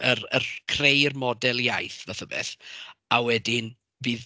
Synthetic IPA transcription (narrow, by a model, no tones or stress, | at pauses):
ərərkʰrejrmɔdɛlˠjajθvaθəbɛ̰θawɛdɪn | biːð